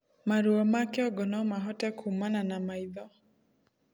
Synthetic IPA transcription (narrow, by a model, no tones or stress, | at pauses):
maɾuɔmakɛɔɡɔnɔmaɦɔtɛkuumananamaiðɔ